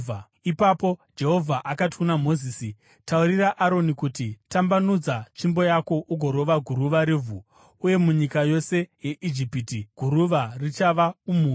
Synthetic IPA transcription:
ipapo̞d͡ʒe̞ɦo̞vʱaʔakati̥kunamo̞ziːsi | tauɾiraʔaɾo̞nikutitambanud͡zat͡ʃimbo̞jako̞ʔuɡʱo̞ɾo̞ʋaɡʱuɾuʋaɾevʱu | uje̞muɲikajo̞se̞je̞ʔid͡ʒipitiɡʱuɾuʋarit͡ʃaʋaumuː

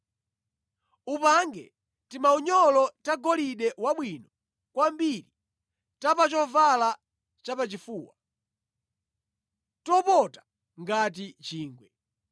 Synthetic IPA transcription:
upaŋɡɛ | timauɲɔlɔtaɡɔliɗɛwaɓwinɔ | kwambiɾi | tapat͡ʃɔvala | t͡ʃapat͡ʃifuːwa | tɔpɔtḁ | ŋɡat̬it͡ʃiːŋɡwɛ

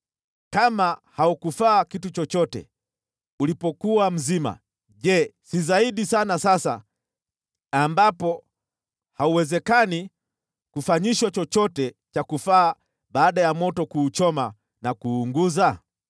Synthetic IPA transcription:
kamahaukufaːkitut͡ʃɔt͡ʃɔtɛ̰ | ulipɔkuwam̩zima̰ | ʄɛsizaiɗisanasasa̰ | ambapɔ | hauwɛzɛkani | kufaɲiʃwat͡ʃɔt͡ʃɔtɛ | t͡ʃakufaː | ɓaːɗajamɔtɔkuːt͡ʃɔma | nakuːŋɡuza

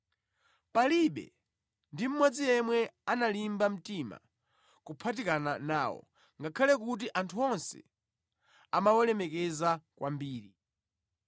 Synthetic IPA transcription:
paliɓɛ̰ | ndim̩mɔd͡zijɛmwɛanalimbam̩tima̰ | kupʰatikananaːwɔ̰ | ŋɡakʰalɛkut̬iʔantʰuɔnsɛ̰ | amawɛlɛmɛkɛzakwʔambiːɾi

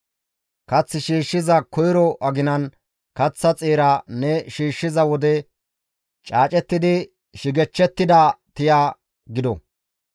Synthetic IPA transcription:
kɐt͡sːɪʃiːʃːɪzɐkɔjɾɔʔɐɡɪnɐn | kɐt͡sːɐt͡sʼeːɾɐnɛʃiːʃːɪzɐwɔd̪ɛ | t͡ʃʼaːt͡ʃʼɛt̪ːɪd̪ɪ | ʃɪɡɛt͡ʃːɛt̪ːɪd̪at̪ɪjaː | ɡɪd̪ɔ

